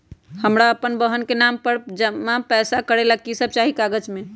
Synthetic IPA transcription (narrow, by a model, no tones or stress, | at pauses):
həmɾaəpənbəɦənkenampəɾd͡ʒəmapɛːsakəɾelaɡ̚kisəb̚t͡ʃaɦikaɡəd͡ʒme